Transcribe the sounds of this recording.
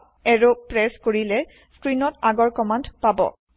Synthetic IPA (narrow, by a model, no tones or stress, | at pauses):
ɛɹopɹɛskoɹilɛ | skɹinɔtaɡɔɹkɔmandpabɔ̰